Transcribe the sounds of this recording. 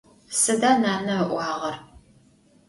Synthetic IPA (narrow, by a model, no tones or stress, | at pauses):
sɨdaːnaːnɐʔʷɑːʁɐr